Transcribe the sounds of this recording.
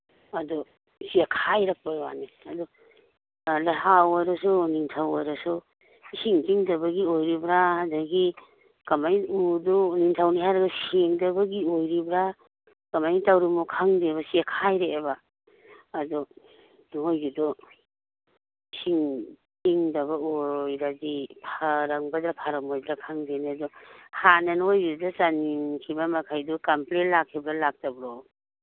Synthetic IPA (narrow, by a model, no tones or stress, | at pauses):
adɔ | siakʰajɾak̚bajwa̰niadɔ | lahawaɾasuniŋtʰawaɾasu | isiŋtiŋdɐbɐɡiojɾibɾahadaɡi | kamajudɔniŋtʰawniɦajɾaɡaseŋdɐbɐɡiojɾibɾa | kamajtawɾimukʰaŋdeβasiakʰajɾeebaː | dɔ | nojɡidɔ | siŋtiŋdɐbaojɾazipʰaɾaŋbadɾapʰaɾamojbɾakʰaŋdenadɔhananojɡidasaniŋkʰibamakʰajdukamplenlakʰːibɾalak̚tabɾɔ